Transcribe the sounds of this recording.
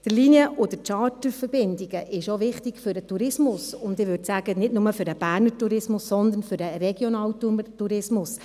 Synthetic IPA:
d̥əliniəʔod̥̪ətɑːtəfəɾb̥ɪndiɡəʔɪʃoʋɪχtiɡfʏɾdətuɾɪsmʊsʊnd̪ɪʋøɾtsæɡ̥ənɪdnʊməfʏɾəb̥æːɾnətuɾɪsmʊsːɔnd̪ənfʏɾdəɾɛɡ̥jɔnɑːwtutuɾɪsmʊs

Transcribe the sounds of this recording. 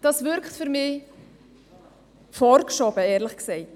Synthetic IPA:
d̥ɑsvʏɾkχtfyɾmi | fɔɾkʃɔbəɛːɾləχksɛɪt

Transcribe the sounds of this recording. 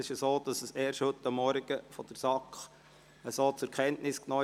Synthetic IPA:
ɪʃjsoːd̥ɑsəseːɾʃhɵtːɑmːɔɾɡ̥əfɔd̥əɾsɑkχ | əsoːt͡sʊɾkʰɛntnɪsknɔː

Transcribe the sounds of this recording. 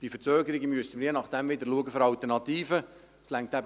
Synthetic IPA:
b̥ifət͡søːɡəɾɪɡəmyəsən̩ɪɾjenɑχd̪̥ɛmʋɪd̪əɾluəɡəfɔɾɑlt̪əɾnɑt̪iːfə | slæŋk̚tæb

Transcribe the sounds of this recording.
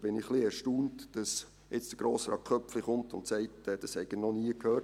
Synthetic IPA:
b̥ɪnɪχliɛɾʃtuːntd̥ɑs | ʔɛt͡sd̥əɡ̥ɾoːsɾɑ̰ːkχœpfliχʊmtʊ̰ntsæɪtɛːd̥ɑshɛɡənɔniəkʰhøː

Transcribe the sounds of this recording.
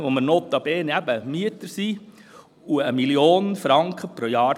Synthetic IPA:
ʋomənoːt̪ːɑb̥eːnæbəmiət̪əɾsiː | uəmiljoːnəfɾɑŋkχəpɾojɑːɾ

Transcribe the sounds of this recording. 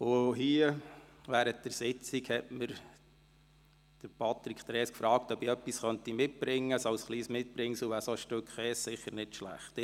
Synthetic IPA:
ʊɦiəʋæːɾət̚d̥əɾsɪt͡siɡhɛtməɾ | d̪̥əɾpʰɑt̪ɾikχt̪ɾɛːskfɾɑːk̚tœbiœpːisχœnt̪imɪt̚b̥ɾɪŋːəsɑʊsχliːsmɪt̚b̥ɾɪŋsʊʋæːɾsɔʃtøkχɛːssɪχəɾnɪtʃlæ̰χt

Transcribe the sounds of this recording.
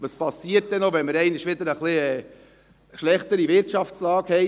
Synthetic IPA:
ʋɑspɑsːiəɾt̚d̥ɛnoʋɛnməɾɛɪnɪʃʋɪd̪əɾəχlɪɛ | ʃlɛχt̪əɾiʋɪɾtɑft͡slɑːkhɛɪ

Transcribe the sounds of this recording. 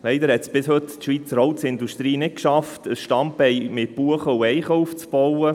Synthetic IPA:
lɛɪd̪əɾhɛt̪sb̥ɪshɵt̪tʃʋit͡səɾɔwt̪sɪnd̪uʃt̪ɾiːnɪt̚kʃɑftəsʃtɑmpɛɪmɪt̚b̥uəχəuɛɪχɔwft͡sb̥ɔwə

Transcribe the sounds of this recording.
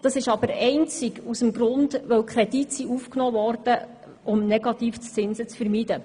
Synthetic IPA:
d̥ɑsɪʃɑbəɾɛɪnt͡sɪkusəmɡɾʊndʋœwkχɾɛditsiufknɔːvɔrd̥ə | ʊmnɛɡ̥ɑt̪iːft͡st͡sɪnsət͡sfəɾmidə

